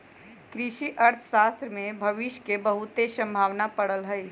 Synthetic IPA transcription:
kɾɪʃiʔəɾt̪ʰə̥ʃaːst̪ɾəmẽbʱɐʋɪʃjkebəɦʊt̪esə̃mbʱaːʋnapəɽəlɦəɪ

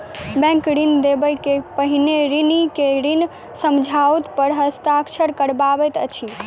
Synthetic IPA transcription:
bɛ̃ŋkɾind̪ebəjkepəɦineɾinikeɾin | səmd͡ʒʱaut̪pəɾɦəst̪akt͡ʃʰəɾkəɽbabɛt̪ət͡ʃʰi

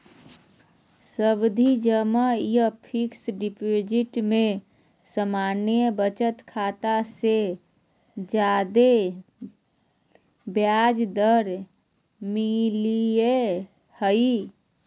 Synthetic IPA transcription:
səbd̪ʱid͡ʒəmajəpʰɪksɖɪpod͡ʒɪʈmẽ | səmaːnjəbət͡ʃət̪kʰaːt̪ase | d͡ʒaːd̪e | bjad͡ʒd̪əɾ | milie | həi

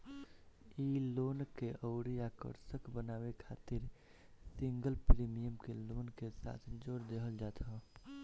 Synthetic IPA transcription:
iːloːnkeʔɔːɾijakə̰ɾsəkbənaːwekʰaːt̪ɪɾ | sɪ̃ŋɡəlpɾiːmijəmkeloːnkesa̰ːt̪ʰd͡ʒoːɾd̪eːkʰəld͡ʒaːt̪ʰa

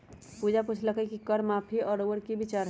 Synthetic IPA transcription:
pud͡ʒapʊt͡ʃʰləkəkikəɾmaːpʰiɔːɾoːʋəɾkibɪt͡ʃaːɾ

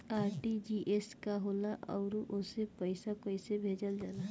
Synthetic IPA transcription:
aːɾʈid͡ʒiʔeskaɦoːlaʔɔːɾʔʊsepəɪsakəɪsebʱeːd͡ʒəld͡ʒaːlaː

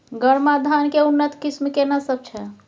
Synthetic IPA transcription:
ɡəɽmad̪ʱankeunːət̪kismkenasəb̚t͡ʃʰɛ

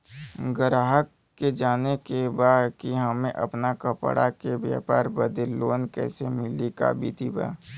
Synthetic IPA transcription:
ɡəɾaːɦəkːed͡ʒaːnekebaːd̪kiɦəmẽʔɐ̰pnakəpəɽa̰kebja̰ːpa̰ːɾbəd̪elːoːnkɛ̰ːsemɪlika̰bḭːt̪iba̰ː

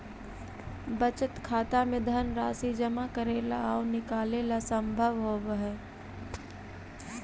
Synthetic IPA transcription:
bət͡ʃət̪kʰaːt̪amẽd̪ʱənɾaːsid͡ʒəmakəɾeːlaaʊnɪkaːleːlasəmbʱəʋɦoːbəɦɛ

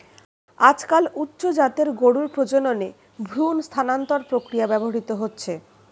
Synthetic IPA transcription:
ad͡ʑkalutːɕod͡ʑat̪eɾɡoɽuɾpɾod͡ʑonone | bʱɾunst̪ʰanant̪oɾpɾokɾijabɛboɦaɾit̪oɦotːɕʰe

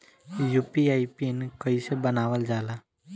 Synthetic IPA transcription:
juːpiaːipinkəisebənaːʋəld͡ʒaːlaː

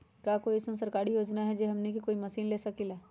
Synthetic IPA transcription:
kjaːkoːiɪsẽsɐɾkaːɾijoːd͡ʒnaɦɛd͡ʒeːɦɐmnekikoːimɐsiːnleːsɐkilaː

